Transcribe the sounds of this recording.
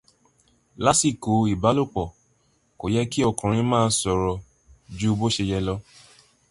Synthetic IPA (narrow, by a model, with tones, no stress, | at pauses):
la˦si˦˨ko˨i˨ba˨˦lo˦˨k͡pɔ˨ | ko˨jɛ˦ki˦ɔ˦˨kã˨ɾ̃ĩ˧mãː˦˧˦sɔ˨ɾɔ˨ | d͡ʒu˦bo˦ʃe˧jɛ˧lɔ˧˦